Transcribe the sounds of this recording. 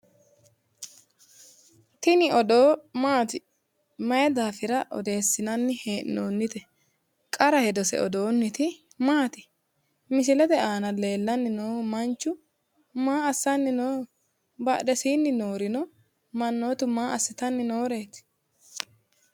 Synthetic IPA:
t̪ɪnɪɔd̪oːmaːt̪ɪ | mɐjɛd̪aːfɪɾɐʔɔ̰d̪e̞ːsːɪnɐnːɪheːʔnoːnːɪt̪ɛ | kʼɐɾɐhɛd̪ɔsɛ̰ɔ̰d̪o̞ːnːɪt̪ɪ | maːt̪ɪ | mɪs̬ɪlɛd̪ɛaːnɐle̞ːlːɐnːɪnoːmɐnt͡ʃːʊ | maːɐsːɐnːɪnoː | bɐ̰ɗɛsiːnːɪnoːɾɪnɔ | mɐnːo̞ːt̪ʊmaːʔɐsːɪt̪ɐnːɪnoːɾe̞ːt̪

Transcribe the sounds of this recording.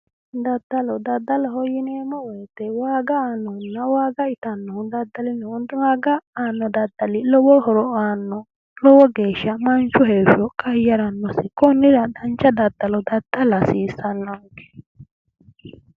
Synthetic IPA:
d̪ɐd̪ːɐlɔd̪ɐd̪ːɐlɔɦɔjɪneːmɔwɔjt̪ːɛwaːɡɐaːnːɔʊnːɐwaːɡɐɪt̪ɐnːɔhʊd̪ɐd̪ːɐlɪnɔʊd̪waːɡɐaːnːɔd̪ɐd̪ːɐlɪlɔwɔhɔɾɔaːnːɔ | lɔwɔɡe̞ːʃːɐmɐnt͡ʃʊɦeːfɔkʼɐjːɐɾɐnːɔsɪkɔnːɪɾɐd̪ɐnt͡ʃːɐd̪ɐd̪̥ːɐlɔd̪ɐd̪̥ːɐlɐsiːsːɐnːɐkɛ̥

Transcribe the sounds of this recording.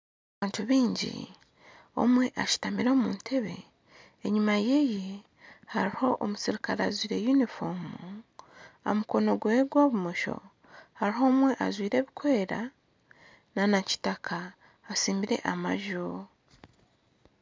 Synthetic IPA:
aβaːntuβiːɲɟḭ | o̞̰mwe̞ʔaʃi̥tamiɾo̞ːmuːntʰe̞βe̞̰ː | ɲimaje̞je | haɾiho̞ʔomusiɾikaɾazwiːɾe̞junifomu | a̰muko̞no̞ɡwe̞ɡwoːβumoʃo̞̰ | haɾiɦo̞ːmwe̞ʔazwiːɾe̞ːβikwe̞ːɾa | nanaci̥takʰaː | siːmbiɾe̞̰ʔama̰ʒo

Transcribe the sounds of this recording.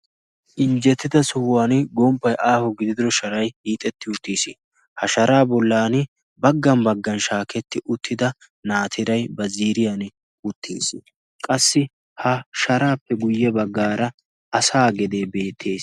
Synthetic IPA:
ʔɪnd͡ʒɛt̪ːɪd̪ɐsʊwaːnɡɔmpːɐjʔaːhɔɡɪd̪ɪd̪ɪɾɔʃɐɾɐjhiːt̪ʼɛt̪ːɪʊt̪ːiːsɪ | hɐʃɐɾaːbɔlːaːnɪ | bɐɡːɐmbɐɡːɐnʃaːkɛt̪ːɪʔʊt̪ʰːɪd̪ɐ | naːt̪ʰɪɾɐjbɐziːɾɪjanɪ | ʊt̪ʰːḭːsɪ | kʼɐsːɪ | hɐʃɐɾaːpːɛɡʊjːɛbɐɡːaːɾɐ | ɐsaːɡɛd̪eːbe̞ːt̪ʰːe̞ːs

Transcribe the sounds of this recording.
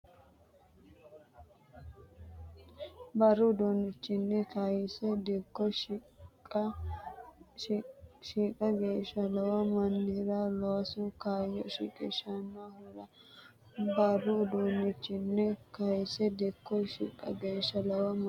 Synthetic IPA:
bɐɾʊd̪onɪt͡ʃːɪnːɛkɐjɪsɛd̪ɛkːɔʃ | kʼɐ | ʃikʼɐɡeːʃːɐlɐwɐmɐnːɪɾɐloːsʊkaːjɔ̰ʃḭkʼɪʃɐnːohɪɾɐ | bɐrʊd̪onɪt͡ʃːɪnːɛkɐjɪsɛd̪ɪkːɔʃḭkʼːɐ̰ɡeːʃːɐlɐwɐm

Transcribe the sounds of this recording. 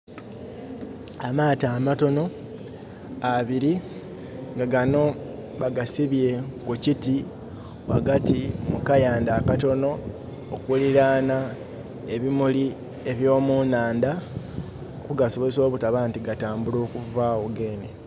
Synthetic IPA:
amaːtaːmato̞no̞ | aβiɾi | ŋɡaɡano̞βaɡasiβje̞kuciti | wa̰ɡatimukajaːndaːkato̞no̞ː | kuliɾaːna | eβimuli | eβjo̞ːmunaːnda | kuɡaso̞βe̞zo̞ːβutaβaːntiɡataːmbulo̞ːkuvaoɡe̞ːne

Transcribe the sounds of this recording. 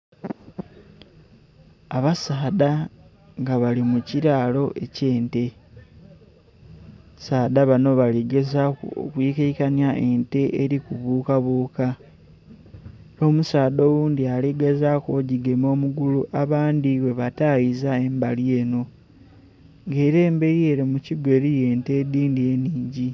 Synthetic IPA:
aβasaːda | ŋɡaβalimuciɾaːlo̞ʔe̞ce̞ːnte̞ | saːdaβano̞βaliɡe̞zakṵo̰kwiːkeikanjaʔe̞nte̞ʔeɾikuβuːkaβuːka | o̞musaːdo̞ːwuːndialiɡezaːkoɟiɡe̞mo̞ːmuɡuluʔaβaːndiwe̞βatajizae̞mbalie̞ːno̞ | ŋɡe̞ːɾeːmbe̞ɾie̞ɾimuciɡwe̞ːɾije̞ːnte̞ːd̪iːndie̞niːɲɟi

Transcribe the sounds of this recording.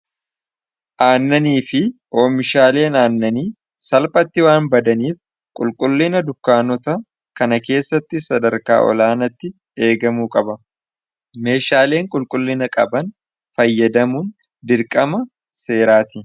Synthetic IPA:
ʔaːnːɐniːfɪʔoːmɪʃaːle̞ːnaːnːɐniː | sɐlpʼɐt̪ːɪwaːnbɐd̪ɐniːf | kʼʊlkʼʊlːɪnɐd̪ʊkːaːnɔt̪ɐ | kɐnɐke̞ːsːɐt̪ːɪsɐd̪ɐɾka̰ːʔɔ̰laːnɐt̪ːɪ | e̞ːɡɐmuːkʼɐbɐ | me̞ːʃaːle̞ːŋkʼʊlkʼʊlːɪnɐkʼɐ̰bɐn | fɐjːɐd̪ɐmuːn | d̪ɪɾkʼɐmɐ | se̞ːɾaːt̪ɪ

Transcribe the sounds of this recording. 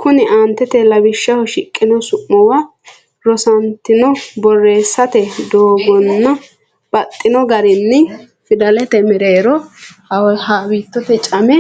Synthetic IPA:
kʊnɪʔaːnt̪ːɛt̪ɛlɐbɪʃːɐhɔʃɪkʼːɪnɔsʊmːɔwɐ | ɾɔsɐnt̪ːɪnɔbɔrːe̞ːsːɐt̪ɛd̪oːɡɔnːɐ | b̥ɐt̪ʼːɪnɔɡɐɾɪnːɪ | fɪd̪ɐlɛt̪ɛmɪɾeːɾɔhɐhaːwiːt̪ːɔt̪ɛt͡ʃʼɐmɛ

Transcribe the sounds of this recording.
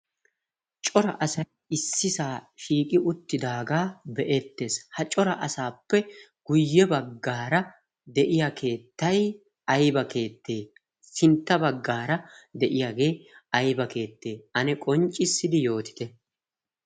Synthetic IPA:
t͡ʃʼɔɾɐ̰ʔɐsɐj | ɪsːɪsaːʃiːkʼɪʔʊt̪ːɪd̪aːɡaːbɛʔɛt̪ːe̞ːshɐt͡ʃʼɔɾɐʔɐsaːpːɛ | ɡ̥ʊjːɛbɐɡːaːɾɐ | d̪ɛʔɪjakʰe̞ːt̪ːɐj | ɐjbɐke̞ːt̪ːe̞ː | sɪnt̪ːɐbɐɡːaːɾɐd̪ɛʔɪjaɡe̞ːɐjbɐke̞ːt̪ːe̞ːɐnɛkʼɔnt͡ʃʼɪsːɪd̪ɪjo̞ːt̪ɪ̥t̪ɛ

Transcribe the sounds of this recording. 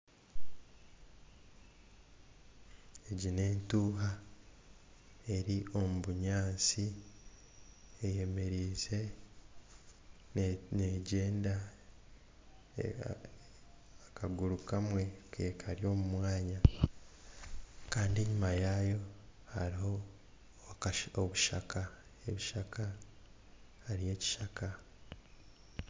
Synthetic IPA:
eɟine̞ːntuːɦa | e̞ɾiʔo̞muβuɲaːnsi | eje̞me̞ɾiːze̞ | neɟe̞ːnda | akaɡuɾukamwe̞keːkʰaɾjo̞ːmumwaːɲa | kaːndie̞ɲumajaːjo̞ha̰ɾiho | oβuʃa̰ka | e̞βiʃakʰa | haɾije̞ːci̥ʃaka

